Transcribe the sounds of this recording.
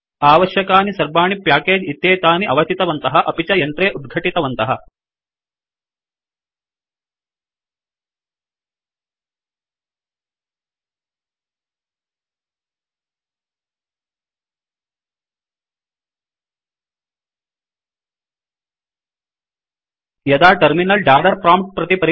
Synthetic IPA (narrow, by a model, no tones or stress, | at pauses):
aːʋɐʃjɐkaːnisɐɾbaːɳipjaːkeːd͡ʒit̪ːjeːt̪aːniʔɐʋɐt̪it̪ɐʋɐnt̪ɐɦɐʔɐpit͡ʃɐjɐnt̪ɾeːʔud̪̚ɡʱɐʈit̪ɐʋɐnt̪ɐɦɐ | jɐd̪aːʈɐɾminɐlɖaːɽɐɾpɾaːmʈ̚pɾɐt̪ipɐɾ